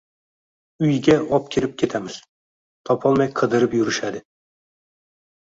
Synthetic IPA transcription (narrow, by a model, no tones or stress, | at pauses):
yjɡʲɛʔɒpkʲʰɪɾɪp̚kʲʰet̪ʰæmɪz̥ | t̪ʰɒpʰɒlˠmɑjqʰɨd̪ɨɾɨpjuɾɪʃæd̪ɪ